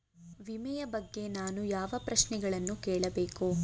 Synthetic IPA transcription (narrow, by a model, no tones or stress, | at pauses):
ʋimɛjɐbɐɡːe̞naːnujaːʋɐpɾɐʃnɛɡɐɭɐnːukeːɭɐbeːku